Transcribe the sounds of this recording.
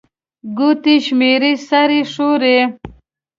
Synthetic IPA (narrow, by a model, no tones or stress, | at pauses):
ɡut̪iʃmeɾisaɾiʂuɾe